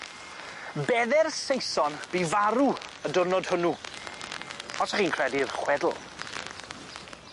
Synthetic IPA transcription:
bɛðɛrsejsɔnb̥ivaɾuədʊrnɔd̥hʊnu | pʰɔtʰaχiːnkʰr̥ɛdirχwɛdl̩ˠ

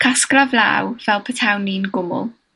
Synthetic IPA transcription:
kʰaskravlˠa̰wvɛlˠpʰətʰawnːinɡʊmʊ̰lˠ

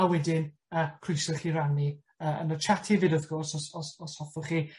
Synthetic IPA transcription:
awɛdɪn | əːkʰrʊjsɔχirani | əːə̰nət͡ʃʰatʰivɨdəðɡɔrsɔsɔsɔshɔfɔχi

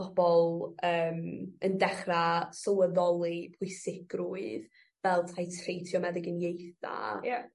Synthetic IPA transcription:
ɔb̥ɔlˠəːməndɛχrasɔwəðɔlˠipʰʊɨsɪkruɨð | vɛlˠtʰajtʰrejtʰjɔmɛðɪɡənjejθa̰ja

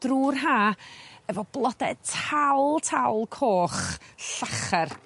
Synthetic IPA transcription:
d̥ruːrɦaːəvɔblˠɔdɛtʰawlˠtʰawlˠkʰoːχɬaχɛr

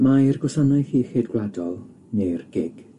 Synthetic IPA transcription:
majrɡɔsanajhiːxeːdɡwladɔlˠ | nerɡ̥ɪɡ̥

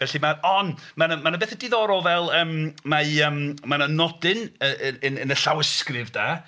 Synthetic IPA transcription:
vɛɬimarɔnmanəmanəbeːθədɪðɔɾɔlˠvɛlˠəːmmaəːmmanənɔdɪnəʔənənəɬawəskrɪvdaː

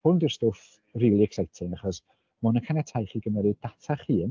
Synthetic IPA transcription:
hʊndərstoːf | riːlˠiɛksajtʰɪŋaχɔs | mʊnəkʰanɛtʰajχiːɡəməɾɨdatʰaχiːn

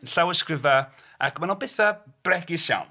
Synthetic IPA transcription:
nɬawəskrɪva | a̰kʰmanulˠbɪθab̥rɛɡɪsʃa̰wn

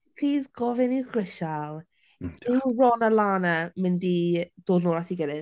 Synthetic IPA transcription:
ɬʰiːðɡɔvɪnɪwɡrɪʃalˠ | ɪrɔnəlˠaːnamɪndid̥oːdnuːlˠatʰiɡɛɾɨð

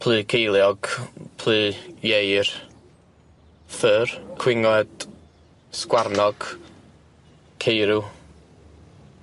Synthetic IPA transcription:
pʰl̥ˠɨːkʰejlˠjɔɡ̥pʰl̥ˠɨːjejr | fɨrkʰw̥ɪŋɔd̥ | skwarnɔɡ̥ | kʰejɾuw

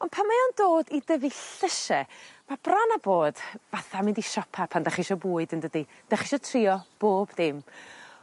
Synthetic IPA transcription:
ɔnpʰanmajɔndoːdidəviɬəʃɛmab̥ranaboːd̥vaθamɪndiʃɔpʰapʰandaχiʃɔbuːɨdəndədi | d̥aχiʃɔtʰrɪːɔb̥oːbðɪm

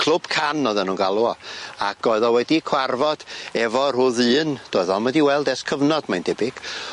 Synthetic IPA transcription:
kʰlˠʊb̥kʰanɔðɛnuːnɡalˠuɔa̰kɔɨðɔwɛdikʰw̥arvɔd̥ɛvɔr̥ʊːðɨːnd̥oːɨðɔmədiwɛlˠdɛskʰəvnɔd̥majndɛbɪɡ̥

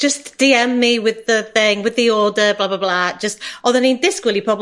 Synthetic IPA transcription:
d̥ʒ̥ʌsd̥iɛmːiwɪðəθɪ̃ŋwɪðiɔːdəblaːblablad̥ʒ̥əstɔðənĩnðɪskwɪlˠipʰɹ̥ɔb

